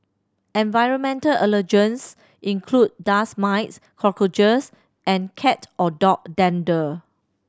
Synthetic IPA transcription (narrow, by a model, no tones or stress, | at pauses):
ɛ̃nvajɹə̃nmɛ̃ntəlʔələd͡ʒə̃ns | ʔĩŋkʰlud̚dasmaɪts | kʰɔkod͡ʒəs | ʔɛ̃nkʰɛtʔɔdɔk̚dɛ̃ndə